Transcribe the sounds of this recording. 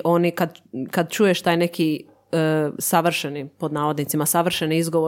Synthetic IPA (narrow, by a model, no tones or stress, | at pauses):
ʔo̞nikad̪kad̪̚t͡ʃuːjeʃt̪aːjne̞kʰi | əsaʋr̩ʃenipo̞d̪naːʋo̞d̪nit̪simasaʋr̩ʃeniizɡoʋo